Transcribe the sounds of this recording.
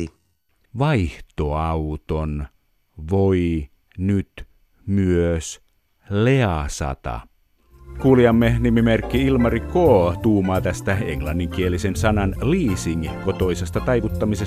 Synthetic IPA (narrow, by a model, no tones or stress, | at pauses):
ʋɑiht̪oɑuwt̪on | ʋoi | nyt̪ | myøs | leɑsɑ̰t̪ɑ̰ | kuːliɑmːenimimerkːiilmɑrikoːt̪uːmɑːt̪æst̪æeŋlɑnːiŋkielisensɑnɑnliːsiŋkot̪oisest̪ɑt̪ɑiʋut̪ːɑmise